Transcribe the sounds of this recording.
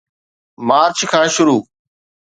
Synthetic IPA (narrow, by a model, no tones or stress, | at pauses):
maːɾt͡ʃʰkʰãːʃʊɾuː